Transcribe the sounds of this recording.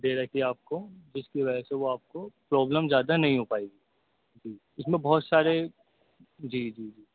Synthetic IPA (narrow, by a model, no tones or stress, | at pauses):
d̪eːɾɐkiaːp̚kod͡ʒɪskiʋɐd͡ʒɛseʋoaːp̚kopɾɔːbləmzjaːd̪anɐɦĩɦopaːeɡiː | d͡ʒiː | ɪsmẽbɔːt̪saːɾe | d͡ʒiːd͡ʒiːd͡ʒiː